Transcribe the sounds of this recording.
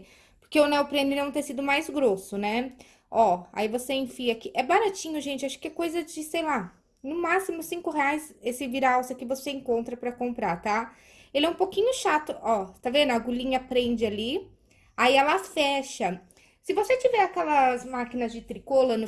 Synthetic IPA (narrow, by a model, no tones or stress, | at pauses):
poɾkeʊnɛwpɾẽnɪnɐ̃w̃t̪ẽsid̪ʊmajzɡɾosʊnɛ | ɔa̰ivoseẽfiɐkɪʔɛbaɾat͡ʃĩɲʊʒẽnt͡ʃɪaʃʊ̥kɪɛkojzɐd͡ʒɪsejla | nʊ̃masimʊsĩkʊɦeajsesɪviɾawsɐkɪvoseẽŋkõnt̪ɾɐpɾɐkõmpɾaɾt̪a | elɪɛũpokĩɲʊʃat̪ʊʔɔt̪avẽnd̪ʊaɡulĩɲɐpɾẽnd͡ʒɪali | aiɛlafɛʃɐ | sɪvoset͡ʃivɛɾakɛlɐzmakinɐzd͡ʒɪt̪ɾikolɐnʊ